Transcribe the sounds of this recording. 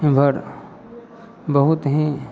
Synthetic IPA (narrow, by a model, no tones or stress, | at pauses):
bʱɐɾ | bɐɦut̪ɦɛ̃